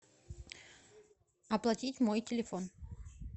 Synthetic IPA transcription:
ɐplˠɐtʲitʲmojtʲɪlʲɪfon

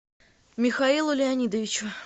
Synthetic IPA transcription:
mʲɪxɐilˠʊlʲɪɐnʲid̪əvʲɪt͡ɕʊ

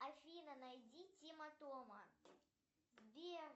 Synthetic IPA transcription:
ɐfʲinɐnajdʲitʲimɐt̪omɐ | bʲe

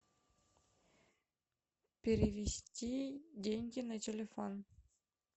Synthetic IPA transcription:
pʲeɾʲevʲesʲtʲidʲenʲɡʲinatʲelʲefon

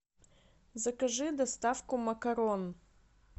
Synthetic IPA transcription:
zɐkaʐɨd̪ast̪afkumɐkaɾon

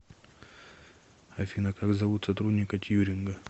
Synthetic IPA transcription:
ɐfʲinəkakzɐvut̪sɐt̪ɾud̪ʲnʲɪkɐt̪ʲjuɾʲɪnɡə

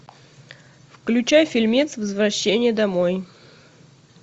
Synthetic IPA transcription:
fklʲʉt͡ɕajfʲilʲmʲit̪svəzvɾɐɕːenʲɪjəd̪ɐmoj

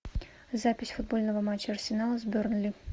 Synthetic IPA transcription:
zapʲɪsʲfʊd̪̚bo̞lʲnəvəmat͡ɕːəɐrsʲɪnalˠəzbʲornlʲi

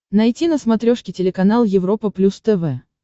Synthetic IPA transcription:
nɐjtʲinəsmɐt̪ɾʲoʂkʲɪtʲɪlʲɪkɐnalˠjɪvɾo̞pəplʲust̪ɛvɛ

